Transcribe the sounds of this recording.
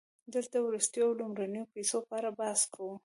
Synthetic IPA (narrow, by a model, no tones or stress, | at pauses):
d̪əlt̪awɾust̪jowlumɾanəjopesopɑɾabɑskʰawu